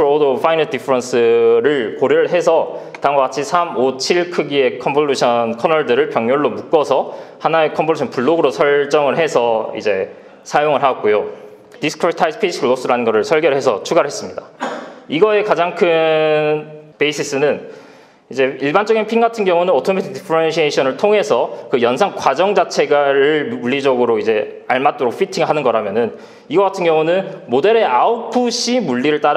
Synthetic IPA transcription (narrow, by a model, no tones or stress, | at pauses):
ɾodofʰainaɭdipʰɯɾʌns͈ʰɯɾɯɭkoɾjʌɭɦe̞sʰʌtaŋɡakat͡ɕʰisʰamot͡ɕʰiɭkʰɯɡie̞kʰʌmpʰoɭːuɕʰʌnkʰʌnʌɭdɯɾɯɭpjʌŋɲoɭːomuk͈ʌsʰʌhanae̞kʰʌmpʰoɭuɕʰʌnpuɭːoɡɯɾosʰʌɭt͡ɕ͈ʌŋɯɭɦe̞sʰʌḭd͡ʑe̞ | sʰajoŋɯɭɦaʌk̚k͈ojo | tisʰɯ̥kʰɾtʰaispʰiɕʰikʰɯɭos͈ɯɾanɯnɡʌɾɯɭsʰʌɭɡjʌɾɭɦe̞sʰʌ̰t͡ɕʰuɡaɾɯɭɦes͈ɯmɲidaiɡʌe̞kad͡ʑaŋkʰɯnnpeis͈ʰis͈ɯnɯn | id͡ʑe̞iɭbant͡ɕ͈ʌɡinpʰiŋɡatʰɯnɡjʌŋunɯnʌtʰomʰetʰetipʰɾʌnɕʰieɕʰʌnɯɭtʰoŋɦe̞sʰʌkɯjʌnsʰaŋkwad͡ʑʌŋd͡ʑat͡ɕʰe̞ɡaɾɯɭmuʎːid͡ʑʌɡɯɾoid͡ʑe̞aɭmat͈oɾok̚pʰitʰiŋɯɭɦanɯnɡʌɾɦamjʌnɯn | iɡʌɡatʰɯnɡjʌŋunɯnmode̞ɾe̞aopʰɯɕʰimuɭːiɾɯɭt͈aɾ